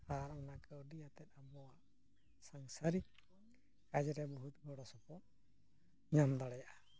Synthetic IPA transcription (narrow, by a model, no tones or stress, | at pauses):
aɾɔnakəwɖijat̪ɛt̪̚abɔwaʔ | saŋsaɾik̚ | kad͡ʒɛɾɛbɔɦut̪̚bɔɽɔsɔpɔt̪̚ | ɲamd̪aɽɛjaʔḁ